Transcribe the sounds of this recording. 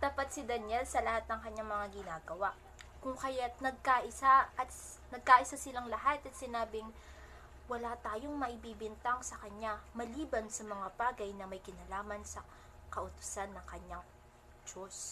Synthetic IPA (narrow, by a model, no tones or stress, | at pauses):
t̪ɐpat̪̚sɪd̪ɐnjɛlsɐlɐhat̪̚nɐŋkɐɲːaŋmɐŋaɡɪnaːɡɐwaʔ | kʊŋkɐjat̪nɐɡ̚kaʔɪsaʔɐt̪ | nɐɡ̚kaʔɪsasɪlaŋlɐɦat̪ɐt̪sɪnaːbɪŋ | wɐlat̪aːjoŋmɐʔɪbiːbɪnt̪aŋsɐkɐɲːamɐliːbɐnsɐmɐŋabaːɡɐjnɐmɐjkɪnalaːmɐnsɐ | kɐʔʊt̪ʊ̥sanːɐŋkɐɲaŋ | d͡ʒos